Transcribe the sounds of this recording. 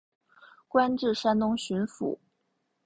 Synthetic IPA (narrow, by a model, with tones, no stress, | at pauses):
kwa˥nʈ͡ʂɻ̩˥˩ʂa˥nnʊ˥ŋɕy˧˥nfṵ˨˩˦